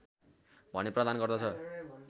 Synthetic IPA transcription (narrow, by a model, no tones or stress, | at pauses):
bʱʌneprʌd̪anɡʌrd̪ʌt͡sʰʌ